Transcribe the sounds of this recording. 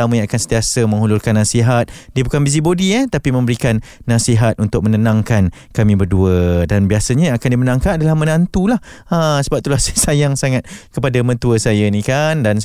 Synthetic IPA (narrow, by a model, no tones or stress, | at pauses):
amə̃jãŋakansənt̪iasəmə̃ŋɦulʊlkanːasiɦat̪̚diəbukanbiz̬ibodiət̪apimə̃mbəɾikanːasiɦat̪̚ʔunt̪ʊk̚mə̃nənãŋkan | kamĩbərduədanbiasəɲəakandimənãŋkanadalahmə̃nant̪ulahəsəbap̚t̪ulahsasajaŋsaŋat̪̚kəpadamə̃nt̪uəsajanikandan